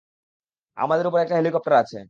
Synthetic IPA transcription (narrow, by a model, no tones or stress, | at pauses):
a̰mad̪eɾup̬oɾɛkʈaɦelikɔp̚ʈaɾat͡ɕʰḛ